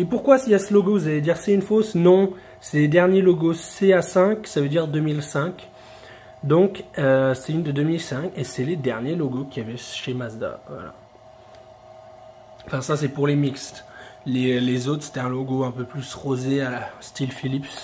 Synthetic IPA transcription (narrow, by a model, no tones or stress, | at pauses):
epuʁkwasiasəlɔɡovuzaled̪iʁsɛynfosnɔ̃ | sɛled̪ɛʁnjelɔɡoseasɛ̃ksavød̪iʁd̪ømilsɛ̃k | d̪ɔ̃køsɛynd̪əd̪ømilsɛ̃kesɛled̪ɛʁnjelɔɡokʲiavɛʃemazd̪a̰vwa̰la̰ | ɑ̃fɛ̃sasɛpuʁlemikst̪lelezot̪χse̥t̪ɛɛ̃loɡoɛ̃pøplysʁozeast̪ilfilips